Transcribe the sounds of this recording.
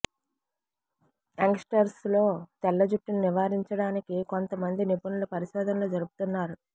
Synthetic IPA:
eŋksʈɐɾslo̞ːt̪ɛlːɐd͡ʒuʈːinuniʋaːɾiɲt͡ʃɐɽaːnikiko̞nt̪ɐmɐnd̪inipɐnulupɐɾiʃɛːd̪ɐnloːd͡ʒɐɾubu̥t̪unːaːɾu

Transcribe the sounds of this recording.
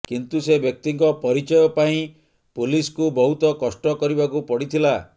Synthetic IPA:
kint̪usebjɔk̚t̪iŋkɔpɔɾit͡ʃɔjɔpaĩ | puliskubɔɦut̪ɔkɔsʈɔkɔɾibakupɔɽit̪ʰila

